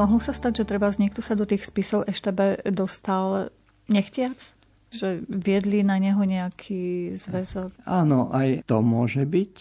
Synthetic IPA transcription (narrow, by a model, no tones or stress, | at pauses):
mɔɦlɔsast̪aɟʒɛt̪ɾɛbazɲɛkt̪ɔsad̪ɔt̪iːxspisɔʊʔɛʃt̪ɛbɛd̪ɔst̪al | ɲɛxcɪat͡s | ʒɛʋɪɛd̪linaɲɛɦɔɲɛakʰiːzʋɛzɔkaːnɔʔajt̪ɔmʊɔʒɛbic